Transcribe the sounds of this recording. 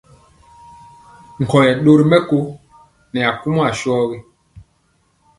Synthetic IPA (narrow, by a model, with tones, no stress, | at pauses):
ŋ̩˨kɔ˨jɛ˨ɗo˦ɾi˦mɛ˦ko˦ | nɛ˨a˨ku˦m˦a˨ʃɔː˦ɣi˦